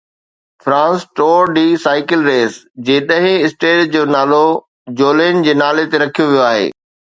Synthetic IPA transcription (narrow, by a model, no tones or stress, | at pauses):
fɾãːnsʈoːɾɖiːsaːɪkɪlɾeːsd͡ʑeːɗɐ̃ɦɪ̃ɪsʈeːʈd͡ʑoːnaːlo | d͡ʑoːleːnd͡ʑeːnaːlet̪eɾɐkʰijoʋijoaːɦḛː